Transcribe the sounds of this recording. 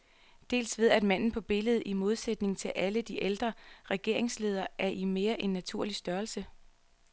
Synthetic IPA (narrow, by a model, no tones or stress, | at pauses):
d̥e̝̰ːlsʋe̝ð̞̰ˠæd̥mæn̰n̩pʰɒ̽b̥e̝ləð̞̩ˠimo̝ð̞ˠsed̥ne̝ŋt͡sʰe̝lʔæləd̥iʔeld̥ʁɐʁɛɡ̥e̝ɐ̰e̝ŋsle̝ːð̞ˠɐʔæɐʔime̝ːɐʔe̝nːæt͡sʰuɐ̰lisd̥ɶːɐlsə